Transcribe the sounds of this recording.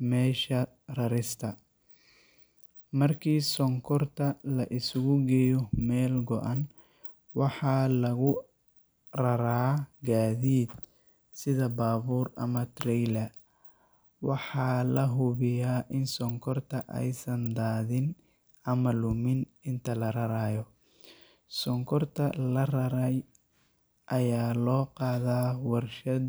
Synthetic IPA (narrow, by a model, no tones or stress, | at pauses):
mɛːʃɐ | rɐɾɪst̪ʰɐ | mɐrkʰiːsɔŋkʰɔrt̪ʰɐlɐʔɪsʊɣʊɡɛjɔmɛːlɡɔʔɐn | wɑħɑːlɐɣʊ | rɐɾaːɡaːðiːd̪̚ | sɪðɐbaːβuːrʔɐ̰mɐt̪ʰrɛjlɐ | wɑħɑːlɐɦʊβɪjaːʔɪnsɔŋkʰɔrt̪ʰɐʔɛ̰jsɐnd̪aːðɪn | ɐmɐlʊmɪnɪnt̪ʰɐlɐɾɐɾaːjɔ | sɔŋkʰɔrt̪ʰɐlɐrɐɾɛj | ʔɐjaːlɔːqɑːðaːwɑrʃɐ